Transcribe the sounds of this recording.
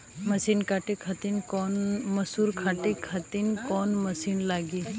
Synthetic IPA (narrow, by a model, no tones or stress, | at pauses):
mɐsiːnkaːʈikʰat̪inkɔːnmɐsuɾkʰaːʈikʰat̪inkɔːnmɐsiːnlaːɡiː